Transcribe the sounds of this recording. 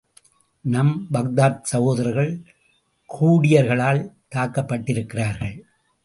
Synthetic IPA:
nɐmbɐɣd̪aːt̪̚sɐɣoːðɐɾɐɾɣɐɭ | kʰuːɽɪjɐɾɣɐɭaːlt̪aːkːɐpːɐʈːɪɾɯkːɪraːɾɣɐɭ

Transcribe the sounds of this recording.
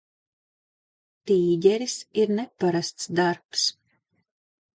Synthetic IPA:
t̪iːɟʲɛɾisiɾnɛpaɾast̪sd̪aɾps

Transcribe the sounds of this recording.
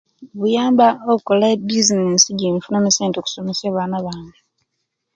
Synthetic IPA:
βujaːmbaoβukolabizineːnsiɟimifunamiseːntoku̥someseβaːnaβaːɲɡe

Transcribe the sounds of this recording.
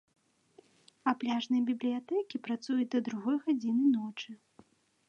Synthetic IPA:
ɐplʲaʐnɐjbʲiblʲijat̪ɛkʲipɾat̪sujut͡s̚ʲd̪ɐd̪ɾuɣɔjɣad͡zʲinɨnɔt͡ʂɨ

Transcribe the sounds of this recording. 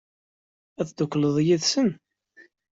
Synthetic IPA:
æθd̪ʊkːləðˤjiðsən

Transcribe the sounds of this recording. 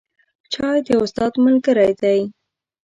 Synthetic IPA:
t͡ʃɑjd̪əʊst̪ɑd̪məlkəɾajd̪aj

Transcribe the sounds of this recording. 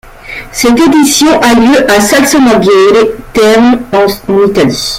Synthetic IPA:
sɛt̪ed̪isjɔ̃ʔaljøʔasalsɔnaɡelet̪ɛʁnɑ̃nit̪ali

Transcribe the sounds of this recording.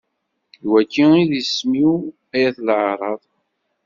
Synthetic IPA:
jwækːiiðismiw | æjæθlʕɾˤɑðˤ

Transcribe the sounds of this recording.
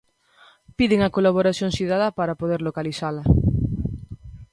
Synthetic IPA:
piðeŋakolaβ̞oɾaθjõŋsiðaðapaɾapoðeɾlokaliθala

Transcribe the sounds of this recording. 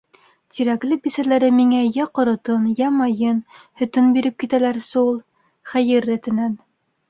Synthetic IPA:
t̪ʰiɾæklɘbisælæɾɘmiŋæjæqŏɾŏt̪ɤnjæmɑjɤnhɵ̆t̪ɵnbiɾɘp̚kit̪ælæɾsulˠ | χæjɘɾːæt̪ɘ̆næn

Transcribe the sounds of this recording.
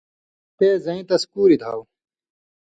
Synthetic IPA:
peːzɐĩt̪ɐskuːɾid̪ʱa̰ːw

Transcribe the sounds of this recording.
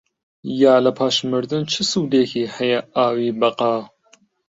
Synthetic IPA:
jaːlɐpʰaːʃmɨɾd̪ɨnt͡ʃʰɨsuːd̪eːkʰiːhɐjɐaːwiːbɐqɑː

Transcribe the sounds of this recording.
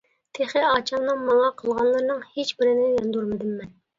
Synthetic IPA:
t̪ʰeχɪɑːt͡ʃʰɑmnɨŋmɑlɑqʰəlˠʁɑnlˠɨɾnɨŋhet͡ʃbɪɾɪnɪjɑnd̪uɾmɨd̪ɪmːɛn

